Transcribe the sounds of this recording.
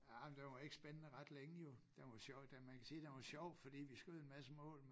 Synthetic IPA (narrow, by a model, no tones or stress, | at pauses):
æmnd̥eʋɒe̝ɡ̥əsb̥ennəʁɑ̈d̥leŋəjo̝d̥eʋɒɕd̥emænkʰæsiːd̥enʋɑɕɒʊ̰fɒ̽d̥ḭːʋisɡ̥øð̩ˠenmæsəmɔ̰̽ːlm